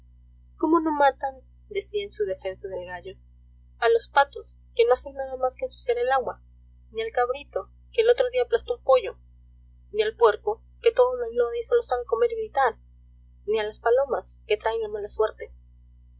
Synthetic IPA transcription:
ko̞mo̞no̞mat̪an | d̪e̞siansuðe̞fe̞nsað̞e̞lɣaʝo̞ | alo̞spat̪os | ke̞no̞ase̞nnːaðamaskeːnsu̥sjaɾe̞laɣwa | nialkaβɾit̪o̞ | keːlo̞t̪ɾo̞ðiaplast̪oupo̞ʝo̞ | nialpwe̞ɾko̞ | ke̞t̪o̞ðolanoðeso̞losaβeko̞me̞ɾiβit̪aɾ | nialaspalo̞maske̞t̪ɾaeŋlamalaswe̞ɾt̪e̞

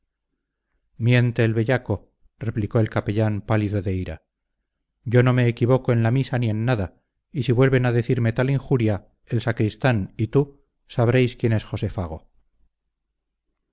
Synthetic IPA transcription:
mje̞nt̪e̞ːlβeʎako̞ | re̞pliko̞elkape̞ʎampaliðo̞ðe̞iɾa̰ | ɟ͡ʝo̞no̞me̞ːkiβo̞koe̞nlamisanie̞nːaða | isiβwe̞lβe̞naðe̞θiɾme̞t̪aliŋxuɾja | elsakɾist̪anit̪u | saβ̞ɾe̞jskje̞ne̞sxo̞se̞faɣ̞o̞̰

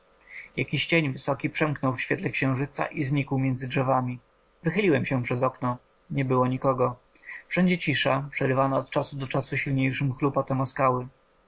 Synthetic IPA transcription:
jakʲiɕt͡ɕeɲvɘsɔkʲipʂɛmknɔwfɕfʲjɛt̪lɛkɕɛ̃w̃ʐɘt̪sa̰ʔizɲikwmʲjɛnd̪zɘdʐɛvamʲi | vɘxɘlʲiwɛmɕɛpʂɛzɔknɔ | ɲɛbɘwɔɲikɔɡɔ | fʂɛɲd͡ʑɛt͡ɕiʂapʂɛɾɘvanaɔt̪t͡ʂasud̪ɔt͡ʂasuɕilɲejʂɘmxlupat̪ɛmɔskawɘ

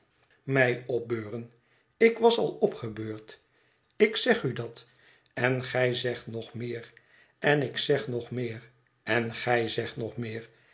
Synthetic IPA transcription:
mɛjɔp̚bøːʁən | ɪkʋɑsɑ̰lˠɔpχəbøːɹt | ɪksɛχydɑt | ɛnχɛjzɛχtnɔχmɪːr | ɛnɪksɛχnɔχmɪːr | ɛnχɛjzɛχtnɔχmɪːɹ

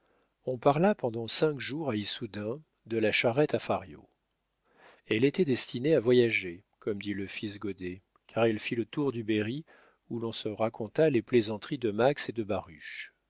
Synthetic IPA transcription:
ɔ̃paʁlapɑ̃d̪ɑ̃sɛ̃kʒuʁaisud̪ɛ̃ | d̪əlaʃaʁɛt̪afaʁjo̰ | ɛlet̪ɛd̪ɛst̪ineavwajaʒe | kɔmd̪iləfis̬ɡod̪e | kʰaʁɛlfilət̪uʁd̪ybeʁi | ulɔ̃səʁakʰɔ̃t̪aleplezɑ̃t̪χid̪əmaksed̪əbaʁyʃ

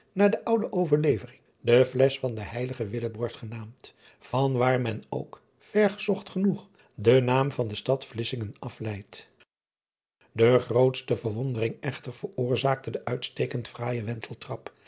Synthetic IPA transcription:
naːɹdəʔʌwdəʔowvəɹlejvərɪŋ | dəflɛsfɑndəhɛjləχəʋɪləbɔɹtχənaːmt | fɑnʋaːɹmɛno̰wk | fɛɹχəz̥ɔχtχənuχ | dənaːmvɑndəstɑtflɪsɪŋənɑflɛjt | dəχrowtstəvəɹʋondərɪŋɛχtəɹv̥əɹʊːɹzaːk̚tədəʔœɥtstejkəntfraːjəʋɛntʰəl̩ˠtrɑp

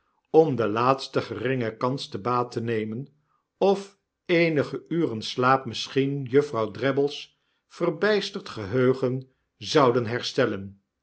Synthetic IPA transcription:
ɔmdəlaːtstəχərɪŋəkɑnstəbaːtənejmən | ɔf | ejnəχəʔyːrənslaːpməsχinjɵfrɑwdrɛbəlˠs | fərbɛjstəɹtχəɦøːχən | zɑwdənɦɛɹstɛlən

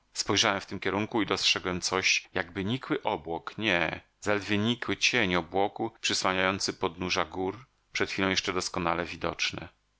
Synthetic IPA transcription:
spɔjʐawɛmft̪ɘmkʲɛɾuŋkuid̪ɔstʂɛɡwɛmt̪sɔɕjaɡbɘɲikwɘʔɔbwɔkɲɛ | zalɛd̪vʲjeɲikwɘt͡ɕeɲɔbwɔkupʂɘswaɲajɔnt̪sɘpɔd̪nuʐaɡuɾ | pʂɛt̪xʲilɔ̃w̃jɛʂt͡ʂɛd̪ɔskɔnalɛvʲid̪ɔ̰t͡ʂnɛ̰

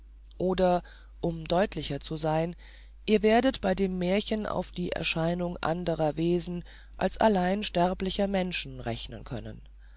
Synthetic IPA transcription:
ʔoːdɐ | ʔʊmdɔʏtʰlɪçɐt͡suzaɪn | ʔiːɐveːɐdətb̥aɪdeːmːeːɐçənʔa̰ʊfd̥iːʔɛ̰ɐʃaɪnʊŋʔa̰ndəʁɐveːzn̩ | ʔa̰lsʔa̰laɪnʃtɛʁplɪçɐmɛnʃn̩ʁɛçnə̰nkʰœ̰nə̰n

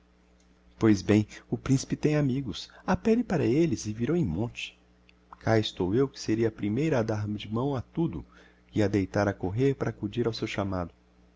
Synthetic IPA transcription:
pojzbẽj̃ʊpɾĩsi̥pɪt̪ẽj̃amiɡʊsapɛlɪpaɾɐelɪzɪviɾowẽj̃mõt͡ʃɪ̥ | kʰaɪst̪owewkɪ̥seɾiɐpɾimejɾɐad̪aɾmɪd͡ʒɪmɐ̃w̃at̪ud̪ʊ̰ | ɪad̪ejt̪aɾɐkoɦeɾpaɾaːkud͡ʒiɾawsewʃamad̪ʊ

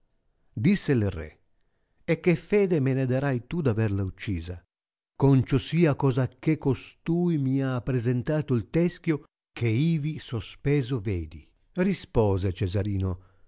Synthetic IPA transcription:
d̪isːelrḛ | ekːefɛːd̪emened̪aɾajt̪ud̪avɛrlaut͡ʃːiːza | kont͡ʃosiːakɔːzakːekːost̪uːjmiaːpːɾezent̪aːt̪ʊilt̪ɛsk̟jo | kʰeiːvisospɛːzoveːd̪i | rispɔːzet͡ʃezaɾiːno

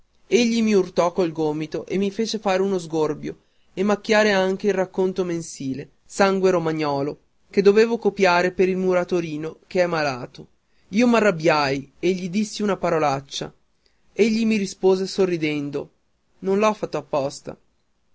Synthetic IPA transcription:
eʎːimiurt̪ɔkːolɡoːmit̪oʔemːifeːt͡ʃefaːɾeunozɡorbjo̰ | emːakːjaːɾeaŋk̟eilrakːont̪omensiːle | saŋɡweɾomaɲːɔːlo | ked̪ːoveːvokopjaːɾepeɾilmuɾat̪oɾiːnok̟eɛmːalaːt̪o | iːomarːabjajeʎːid̪isːiunapaɾolat͡ʃːa̰ | eʎːimiɾispoːzesorːid̪ɛnd̪o | nõnlɔfːat̪ːoapːɔst̪a̰

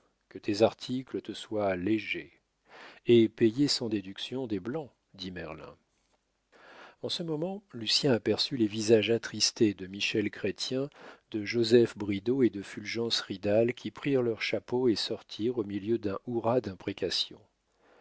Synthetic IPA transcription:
kət̪ezaʁt̪ʰiklət̪əswaleʒe | epejesɑ̃d̪ed̪yksjɔ̃d̪eblɑ̃ | d̪imɛʁlɛ̰̃ | ɑ̃səmɔmɑ̃lysjɛ̃apɛʁsylevizaʒat̪χist̪ed̪əmiʃɛlkχet̪jɛ̃d̪əʒozɛfbʁid̪oed̪əfylʒɑ̃sʁid̪alkʲʰipχiʁlœʁʃapoesɔʁt̪ʰiʁomiljød̪ɛ̃ʔuʁad̪ɛ̃pχekasjɔ̰̃

